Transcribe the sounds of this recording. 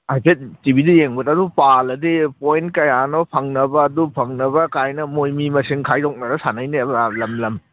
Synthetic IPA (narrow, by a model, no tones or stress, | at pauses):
ajpʰet̚tibidɐjeŋbɐtɐdupalɐdipojntkɐjanɔpʰɐŋnɐbɐːdupʰɐŋnɐbɐkajnɐmojmimɐsiŋkʰajɾok̚nɐdɐsanɐjnebalɐmlɐm